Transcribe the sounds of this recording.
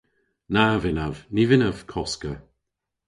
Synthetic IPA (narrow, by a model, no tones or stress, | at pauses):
navɪnavnivɪnav̥kʰɔskə